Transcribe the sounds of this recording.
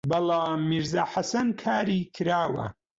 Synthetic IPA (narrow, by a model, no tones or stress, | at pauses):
bɐlˠaːmːiɾzaːħasɐnkʰaːɾiːkʰɨɾaːwɐ̰